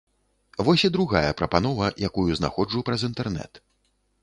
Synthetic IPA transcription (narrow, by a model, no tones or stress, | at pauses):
vɔsʲid̪ɾuɣajɐpɾɐpanɔvɐjakujuzna̰xɔd͡ʐupɾɐzint̪ɛrnɛ̰t̪